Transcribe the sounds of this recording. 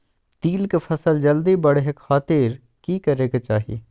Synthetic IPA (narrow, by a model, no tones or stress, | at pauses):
t̪iːlkefʰɐsəld͡ʒɐld̪ibɐɽeɦekxʰaːt̪iɾ | kiːkɐɾeːɡat͡ʃaːɦiḛ